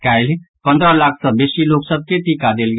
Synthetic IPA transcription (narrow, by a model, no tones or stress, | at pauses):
kaɪlpə̃nd̪ɾəlakʰsə̃besiloksəb̚ʱkeʈ̪ikad̪elɡ